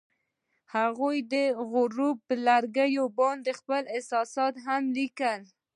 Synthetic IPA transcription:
haɣujd̪əɣʊɾupəlaɾɡəjobɑnd̪əxpəlɪhsɑsɑt̪ɦamlikəl

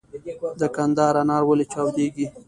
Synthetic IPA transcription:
d̪əkand̪ɑːɾanɑːɾwalet͡ʃɑwd̪eɡi

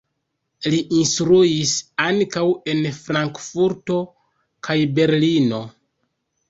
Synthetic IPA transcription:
liʔinstɾuisaŋkawe̞nfɾaŋkfuɾto̞ | kʰajbe̞ɾlino̞

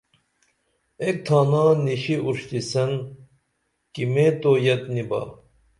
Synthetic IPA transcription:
ek̚t̪ʰaːnãːniɕiʔuɾʂt̪isɐn | kimeːt̪oːjɐt̪niba̰ː

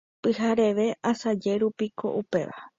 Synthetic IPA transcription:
pɨhaɾe̞ʋe̞ʔasad͡ʒe̞ɾupikʰo̞̰ʔupe̞̰ʋa̰

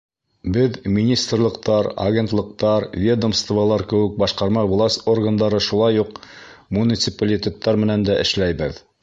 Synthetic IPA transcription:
bɘðmʲinʲist̪rlˠɤ̆qt̪ɑɾɐ̰ɡʲent̪lˠɤ̆q̚t̪ɑɾvʲed̪əmst̪vɑlˠɑɾkɘ̆wɘk̚bɑʃqɑɾmɑvulˠɑsorɡand̪ɑɾɤʃulˠɑjuqmunʲit̪sɨpalʲit̪ʲet̪ːɑɾmɘ̆nænd̪æʔɘ̰̆ʃlæjbɘð

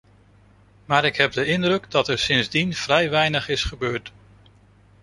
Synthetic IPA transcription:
maːɾɪkɦɛp̚dəɪndrɵɡdɑtɛɹsɪnzdinv̥rɛjʋɛjnəχɪsχəbøːɹt

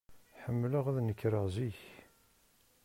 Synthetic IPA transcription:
ħəmːləʁæðnəkːɾəʁziç

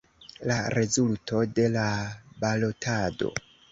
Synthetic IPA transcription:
laɾe̞zultʰo̞de̞labalo̞tʰado̞̰

